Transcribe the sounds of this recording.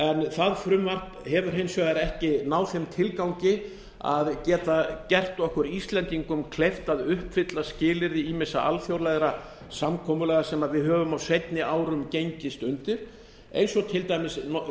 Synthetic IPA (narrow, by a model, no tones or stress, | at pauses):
ɛnθaðfɾʏmːvar̥t | hɛvʏɾ̥ɦejnsvœɣaɾɛhcɪnaːwθɛmt̪ʰɪlkawɲcɪ | a̰ðcɛːt̪acɛr̥t̪ɔhkʏɾist̪lɛnt̪iŋkʏmkʰlejft̪aðʏhpfɪt̪lascɪːlɪɾðɪiːmɪsːaʔa̰lfjowɾlajɣɾa | samkʰɔːmʏlɛːɣasɛmaðvɪðɦœːvʏmawsejt̪nɪaːwɾʏmcejɲcɪst̪ʏnt̪ɪɾ̥ | ḛjnsɔt̪ʰɪlt̪ajmɪsnɔ